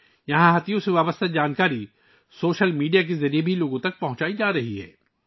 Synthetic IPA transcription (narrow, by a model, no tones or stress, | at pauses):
jɐɦãɦɐt̪jõseʋaːbəst̪ʰad͡ʒaːnkaːɾi | soːʃəlmiːɖijak̬ezɐɾijebʱiloːɡõt̪ɐk̚pɐɦʊ̃t͡ʃaːid͡ʒaːɾɐɦiɦɛ̰ː